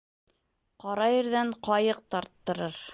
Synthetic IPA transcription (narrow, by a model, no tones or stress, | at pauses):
qɑɾɑjɘ̆ɾðæɴqɑjɤq̚t̪ɑɾt̪ːɤ̆ɾɤɾ